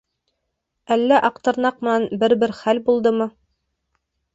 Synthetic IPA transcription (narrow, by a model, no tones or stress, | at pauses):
ælːæʔɑqt̪ɤ̆ɾnɑq̚mɤ̆nænbɘɾbɘɾχælbulˠd̪ɤmɤ